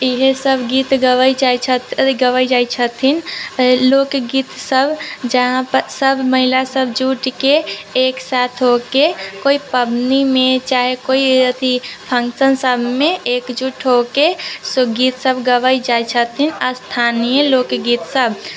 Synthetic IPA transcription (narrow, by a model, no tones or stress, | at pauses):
iɦesəbʱɡit̪ɡəʋəit͡ʃat͡ʃʰət̪ɡəʋəid͡ʒajt͡ʃʰət̪ʰinlokɡiːt̪səbd͡ʒəɦãpəɾsəbʱməɦilasəbd͡ʒuʈkeːksat̪ʰɦokekoipəbnimẽt͡ʃaɦekoiət̪ʰipʰə̃ŋksənsəbʱmẽekd͡ʒuʈʰɦokesɡiːt̪səbɡəʋəid͡ʒajt͡ʃʰət̪ʰinaɾst̪ʰanijəlokɡit̪səbʱ